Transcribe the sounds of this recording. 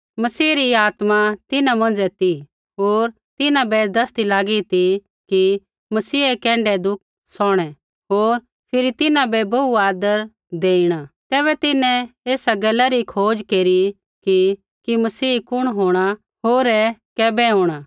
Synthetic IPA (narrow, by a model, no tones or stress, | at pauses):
mɐsiːɾiaːt̪mat̪ɪnãmɐ̃nd͡zɛt̪i | ɦoːɾ | t̪ɪnãbɛd̪ɐst̪ilaːɡit̪i | ki | mɐsiːɛkɛ̃ːɳɖɛd̪ʊk̚ | sɔːɽ̃ɛ | ɦoːɾ | pʰɪɾit̪ɪnãbɛbɐuaːd̪əɾ | d̪eːiɽ̃at̪ɛːβɛt̪ɪnɛ̃eːsaɡɐlːaɾikʰoːd͡ʒkeːɾi | ki | kimɐsiːkʊɽ̃ɦoːɽ̃a | ɦoːɾɛkɛːbɛɦoːɽ̃a